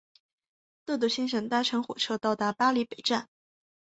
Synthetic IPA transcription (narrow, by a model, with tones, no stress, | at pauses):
t̪t̪u˥˩ɕi˥nʂɤ˨˩ŋt̪a˥ʈ͡ʂʰɤ˧˥ŋxwɔ̰˨˩ʈ͡ʂʰɤ˥t̪ɑ˥˩ʊt̪a˧˥pa˥li˧˥pe˨˩ɪʈ͡ʂa˥˩n